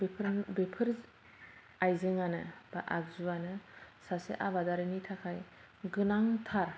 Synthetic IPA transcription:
bepʰɾbepʰɯɾ | ajzeŋanɯ̰b̥aʔa̰k̚zuanɯsasḛʔaβadaɾinitʰakʰaj | ɡɯnaŋtʰaɾ

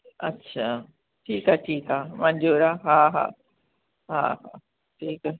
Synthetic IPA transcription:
ɐtːɕʰaː | ʈʰiːkaʈʰiːkaːmɐ̃ɲd͡ʑoɾaɦaːɦa̰ː | ha̰ːha̰ː | ʈʰiːka

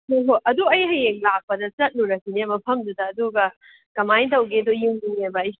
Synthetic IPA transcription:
hoɦoʔɐduɐjɦɐjeŋlak̚pɐdɐt͡ʃɐt̚nuɾɐkinemɐpʰɐmdudɐːduɡɐ | kɐmajtɐwɡedojuŋniŋebɐj

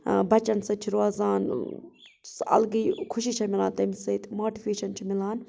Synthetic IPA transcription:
bʱɐt͡ʃɐnsɐt͡ʃʰiɾaːzaːn | sɐ̰lɡiːkʰʊʃit͡ʃʰɐmilaːnt̪ɐmisɐit̪moːʈipʰeːʃɐnt͡ʃʰimilaːn

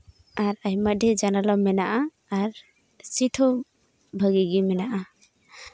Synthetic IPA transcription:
aɾajmadɛd͡ʒanalɔmɛnaʔaː | ɾ | sitʰɔ | bʱəɡiɡimɛnaʔa

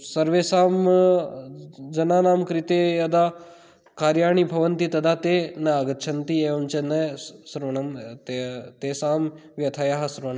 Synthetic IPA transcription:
sɐɾʋeːsaːm | d͡ʒɐnaːnaːmkɾit̪ejɐd̪aː | kaːɾjaːɳibʱɐʋɐnt̪it̪ɐd̪aːt̪eːnɐaɡɐt̪t͡ʃʰɐnt̪ieːʋɐnt͡ʃenɐsuɾʋɐɳɐmt̪et̪eːsaːm | ʋjɐt̪ʰajaɦɐsuɾʋɐɳɐm

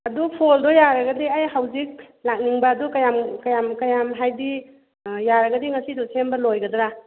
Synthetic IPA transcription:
ɐdupʰoldɔjaɾɐɡɐdiajhawzik̚ | lak̚niŋbaːdukajamkajamkajamɦajdi | jaɾɐɡɐdiŋɐsidɔsʰenbɐlojɡɐdɾa

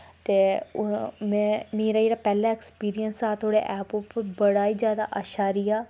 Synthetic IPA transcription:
t̪eː | mɛ̃ːmeːɾaːeːɾaːpɛːlaːɛkspiːɾijənsaːt̪ʰoːɽḛːʔɛːpʊpbəɽaːiːd͡ʒjaːd̪a̰ʔaʃaːɾijaː

